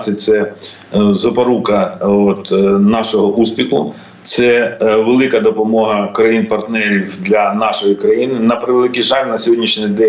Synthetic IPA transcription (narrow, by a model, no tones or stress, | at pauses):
sʲɛt̪sɛ | zɐpɐɾukɐot̪nɑʃɔɦɔʔuspʲixʊ̰ | t̪sɛʋelˠɪkɐd̪ɔpɔmɔɦɐkɾɐjinpɐrt̪nɛɾʲiwd̪lʲɐnɑʃɔjikɾɐjinɪnɐpɾɪʋelˠɪkʲɪjʒɑlʲnɐsʲɦɔdʲnʲiʃnʲid̪ɛ